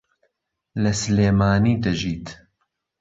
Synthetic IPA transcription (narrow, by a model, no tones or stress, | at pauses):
lɐsleːmaːniːd̪ɐʒiːt̪